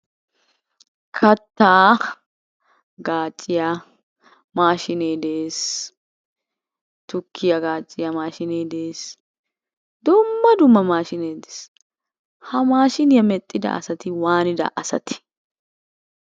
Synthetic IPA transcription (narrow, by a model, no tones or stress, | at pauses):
kʰɐt̪ːaː | ɡaːt͡ʃʼːɪjɐ | maːʃɪneːd̪eːs | t̪ʊkʰːɪjɐɡaːt͡ʃʼːɪjɐmaːʃɪneːd̪eːs | d̪ʊmːɐd̪ʊmːɐmaːʃɪneːd̪e̥s | hɐmaːʃɪnɪjɐmɛt̪ʼːɪd̪ɐ̰ʔɐ̰sɐt̪ɪwaːnɪd̪ɐ̰ʔɐsɐt̪ɪ̥